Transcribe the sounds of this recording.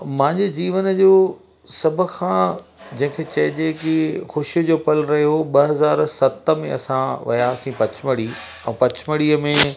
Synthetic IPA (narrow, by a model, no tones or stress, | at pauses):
mãɦɪ̃ɲd͡ʑed͡ʑiːʋənəd͡ʑoː | sɐbʱʊ̆kʰãd͡ʑɐ̃ɦɪ̃kʰeːt͡ɕɐɪd͡ʑekixʊʃijd͡ʑoːpɐlɾɐɦjoɓɐɦɐzaːɾsɐt̪ə̆mḛ̃ɐ̰sãʋɐ̰jasĩpɐt͡ɕʰməɽiː | ɛ̃ːpɐt͡ɕʰməɽiːəmẽ